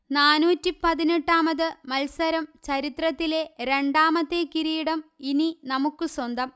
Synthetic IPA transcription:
naːnuːtːipɐðineʈːaːmɐðɨmɐlsɐɾɐmt͡ɕɐɾit̪rɐt̪ːile̞ɾe̞ɳɖaːmɐt̪ːekiɾijiɽɐmininɐmukːɨswɐnd̪ɐm

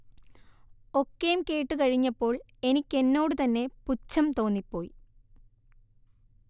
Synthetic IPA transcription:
o̞kːejumke̞ːʈːɨkɐɻiɲːɐpːo̞ːɭ | e̞nikʲːe̞nːo̞ːɽɨt̪ɐnːe̞put͡ɕːɐmt̪o̞ːnːipːo̞ːji

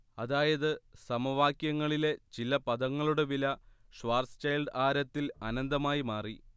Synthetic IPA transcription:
ɐðaːjɐðɨsɐmɐʋaːkjɐŋːɐɭile̞t͡ɕilɐpɐðɐŋːɐɭuɽeʋilɐʂʋaːrst͡ɕɐjlɖaːɾɐt̪ːilɐnɐnd̪ɐmaːjimaːri

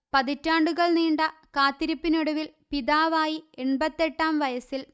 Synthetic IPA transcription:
pɐðitːaːɳɖuɣɐɭniːɳɖɐkaːt̪ːiɾipːiniɽuʋilpiðaːʋaːjieɳbɐt̪ːe̞ʈːaːmʋɐjɐsil

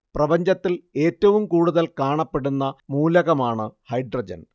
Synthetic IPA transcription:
prɐbɐɲd͡ʑɐt̪ːile̞ːtːɐʋumkuːɽuðɐlkaːɳɐpːe̞ɽunːɐmuːlɐɣɐmaːɳɨhɐjɖrɐd͡ʑɐ̰n

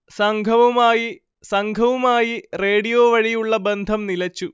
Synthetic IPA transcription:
sɐŋɡʱɐʋɐmaːji | sɐŋɡʱɐʋumaːjireːɽijo̞ːʋɐɻijuɭːɐbend̪ʱɐmnilɐt͡ɕːu

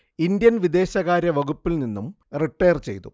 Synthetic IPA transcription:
ind̪jɐnʋid̪e̞ːɕɐɣaːɾjɐʋɐɡupːilninːum | riʈːɐjrt͡ɕe̞jt̪u

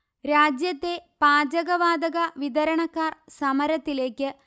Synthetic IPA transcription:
ɾaːd͡ʑjɐt̪ːe̞paːd͡ʑɐɣɐʋaːd̪ɐɣɐʋid̪ɐɾɐɳɐkːaːrsɐmɐɾɐt̪ːile̞ːkʲːɨ

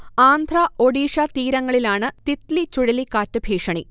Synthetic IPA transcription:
aːnd̪ʱraoɽiːʂɐt̪iːɾɐŋːɐɭilaːɳɨt̪it̪lit͡ɕuɻɐlikːaːtːɨbʱiːkʂɐɳi

